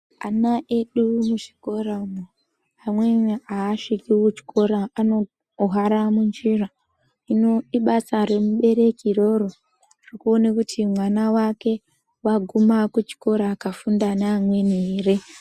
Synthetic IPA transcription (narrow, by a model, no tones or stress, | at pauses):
anaʔeɗumuʐiko̞raumo | amwenaːʂikiwut͡ʃi̥kʰo̞ɾaːno | ɦaɾamund͡ʒira | ino̞iɓasare̞muɓe̞ɾe̞kiro̞ro | rikuonekutʰimwanawake̞ | waɡʱumakut͡ʃi̥ko̞ɾaːkafundanaamwe̞neːre